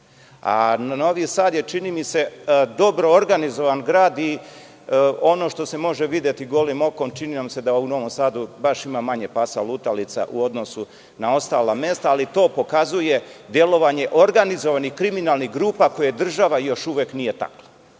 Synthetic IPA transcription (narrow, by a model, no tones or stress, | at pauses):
a̰nno̞ʋisaːd̪je̞t͡ʃinimise̞d̪o̞bɾo̞ːɾɡanizo̞ʋanɡɾaːd̪i | o̞no̞ːʃt̪o̞se̞mo̞ʒeʋid̪je̞t̪iɡo̞limo̞kont͡ʃininamse̞d̪aouno̞ʋo̞msaːd̪ubaʃimamaɲe̞pasa̰lˠut̪alit̪sa̰ʔṵo̞d̪no̞su | nao̞st̪aːlamje̞st̪aːlit̪o̞ːpo̞kazuje̞d̪je̞lo̞ʋaɲe̞ʔoɾɡanizo̞ʋanihkɾiminalˠniɦɡɾuːpako̞jed̪r̩ʒaʋajo̞ʃuʋeknije̞t̪a̰klo